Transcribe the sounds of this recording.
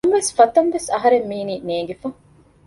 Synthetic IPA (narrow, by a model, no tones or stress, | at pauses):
mʋesfɐt̪ɐnʋesɐɦɐɾemːiːniːneːɡefɐŋ